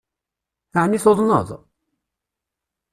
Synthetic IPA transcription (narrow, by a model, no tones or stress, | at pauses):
aʕniθoðˤnə̰ðˤ